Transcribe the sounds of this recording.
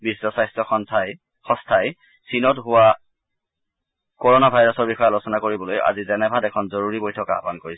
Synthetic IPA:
bisːɔsajstɔxɔntʰaj | xɔ̃stʰaj | sinɔtɦʊwa | kɔɹɔnabʱajɹɔsɔɹbixɔjalosɔnakoɹibɔloja̰zizɛnɛbʱadɛkʰɔnzoɹuɹibojtʰɔka̰apankoɹis

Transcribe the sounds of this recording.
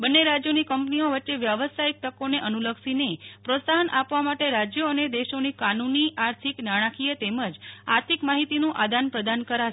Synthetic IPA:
bənːeɾad͡ʒjonikəmpnioʋəːʃeʋjəʋəsaik̚ʈ̪əkoneʔənuləksinepɾosaɦənʔapʋamaʈeɾad͡ʒjəəned̪eʃonikanuniaɾt̪ʰiknaɽ̃ãkʰijet̪eməd͡ʒaɾt̪ʰikmaɦit̪inũʔad̪ʱanpɾəd̪ankəɾaʃe

